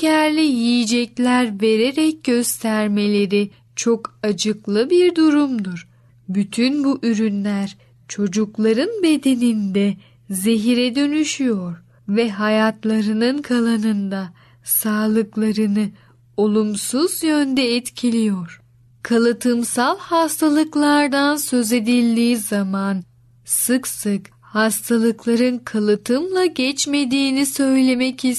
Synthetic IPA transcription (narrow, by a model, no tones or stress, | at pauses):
cʰæɾlʲɛjijid͡ʒɛclʲæɾve̞ɾe̞ɾɛc̚ɟøst̪ʰæɾme̞lʲe̞ɾi | t͡ʃʰo̞kad͡ʒɯklˠɯbiɾd̪uɾumd̪uɾ | byt̪ʰynbuʔyɾynlʲæɾ | t͡ʃʰo̞d͡ʒuklˠaɾɯnbe̞d̪e̞nind̪ɛ | zeɦiɾɛd̪ø̞nyʃyjoɾ | vɛɦajat̪lˠaɾɯnɯnkʰalˠanɯnd̪a | saːlˠɯklˠaɾɯnɯ | o̞lˠumsuzjønd̪ɛːt̪cʰilʲijoɾ̥ | kʰalˠɯt̪ʰɯmsalˠhast̪ʰalˠɯklˠaɾd̪ansø̞ze̞d̪ilʲd̪iːzaman | sɯksɯk | hast̪ʰalˠɯklˠaɾɯnkʰalˠɯt̪ʰɯmlˠaɟɛt͡ʃme̞d̪iːnisø̞jlʲe̞mɛci